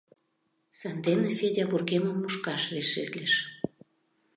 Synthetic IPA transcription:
sɑnd̪enefedʲavurɣeməmːuʃkɑʃveʃḛt̪leʃ

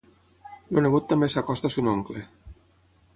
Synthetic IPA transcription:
loneɣut̪ːambesakɔst̪asunoŋkle

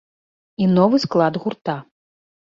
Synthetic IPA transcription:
inɔvɨsklˠad̪ɣurt̪a

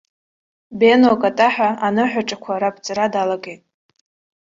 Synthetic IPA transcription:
benokʼatʼaħᶣaanɨħʷᶣaʈ͡ʂʼakʷʰaɾapʰt͡sʼaɾadalaɡʼe̞jtʼ

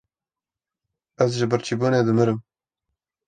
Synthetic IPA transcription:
æzʒɪbəɾt͡ʃʰiboːneːd̪ɨmɨɾɨm

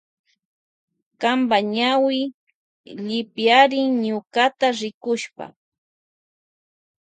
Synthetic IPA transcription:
kambaɲawɪ | ʎɪpjaɾɪŋɲʊkat̪aɾɪkʊʃpa̰

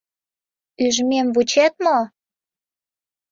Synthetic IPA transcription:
yʒmemβut͡ɕet̪̚mo

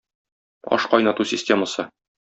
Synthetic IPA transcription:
ɒ̰ʃqɒjnɑt̪usʲɪsʲtʲeməsɤ

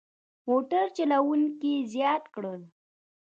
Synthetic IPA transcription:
moʈaɾt͡ʃalawuŋkizjɑt̪kɽəl

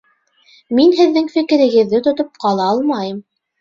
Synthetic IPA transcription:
minɦɘ̆ðːɘŋfɘ̆kɘ̆ɾɘ̆ɡɘ̆ðːɘt̪ŏt̪op̚qɑlˠɑɑlˠmɑjɤm

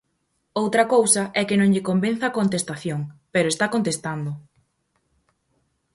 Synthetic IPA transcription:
owt̪ɾɐkowsɐʔɛkɪnõŋʎɪkomben̟θɐakont̪est̪aθjoŋpeɾoest̪akont̪est̪and̪ʊ

